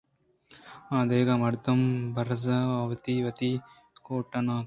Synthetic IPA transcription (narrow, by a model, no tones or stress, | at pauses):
aːd̪eːɡɐmɐɾd̪ɐmbɐɾzɐɐʋɐt̪iʋɐt̪i | koːʈːɐnaː